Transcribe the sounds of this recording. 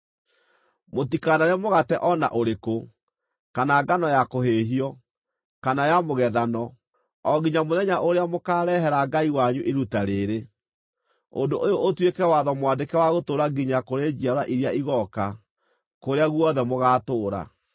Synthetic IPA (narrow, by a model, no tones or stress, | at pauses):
motikanaɾɛmoɣatɛʔɔna̰ʔoɾeko | kanaɡanɔjakoɦeɦiɔ | kanajamoɣɛðanɔ | ɔɡiɲamoðɛɲaʔoɾeamokaːɾɛɦɛɾaɡaiwaɲuʔeɾutaɾeɾe | o̰ndoʔojoʔːtwekɛwaðɔmwandekɛwaɣotoːɾaɡiɲakoɾed͡ʒiaɾaʔiɾiaiɣɔka | koɾeaɣwɔðɛmoɣaːtoːɾa̰